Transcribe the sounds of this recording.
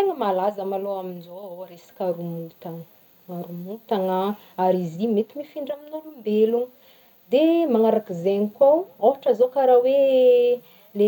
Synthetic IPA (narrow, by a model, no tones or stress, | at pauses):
eŋəmalazəmaloaminzoɾesi̥kaɾumut̪aŋə | aɾumut̪aŋa | aɾizimet̪imifiɳɖ͡ʐaminolumbeluŋə | d̪emaŋaɾakizeɲikʲawaaʈ͡ʂəzokaɾawe | le